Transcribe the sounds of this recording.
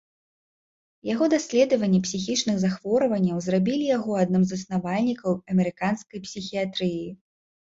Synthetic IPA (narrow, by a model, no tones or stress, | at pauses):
jaɣɔd̪asʲlʲɛd̪ɐvɐnʲːipsʲix̬ʲit͡ʂnɨxzaxv̥ɔɾɐvɐnʲːɐwzrabʲilʲijaɣɔad̪̚nɨmzɐsnavalʲnʲikɐwɐmʲɛɾɨkanskɐjpsʲixʲiat̪ɾɨji